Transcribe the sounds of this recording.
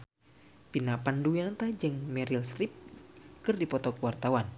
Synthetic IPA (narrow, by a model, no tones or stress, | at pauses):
pinapanduiant̪ad͡ʒɨŋmɛɾilst̪ɾip̚kɨrdipɔt̪ɔkwart̪awan